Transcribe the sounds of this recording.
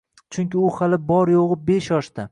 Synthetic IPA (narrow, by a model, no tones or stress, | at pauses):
t͡ʃʰʊŋkʲɪʊhalɪbɒɾjoʁɨbeʃjɒʃt̪a